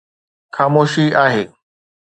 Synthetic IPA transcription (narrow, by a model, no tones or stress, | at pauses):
xaːmoːʃiaːɦeː